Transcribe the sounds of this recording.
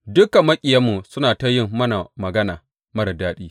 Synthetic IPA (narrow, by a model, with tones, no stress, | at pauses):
dʊ˦ka˨mːɐ˦kʲʼɪ˨ja˦mːu˨sʊ˦naː˨ta˦jɪ˦˨ŋmɐ˦na˨mɐ˨ɡɐ˦naː˨ | mɐ˦ɽɐ˨daː˦ɗiː˦